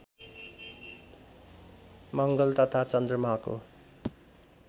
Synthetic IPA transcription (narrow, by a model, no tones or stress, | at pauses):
mʌŋɡʌlt̪ʌt̪ʰat͡sʌnd̪rʌmako̰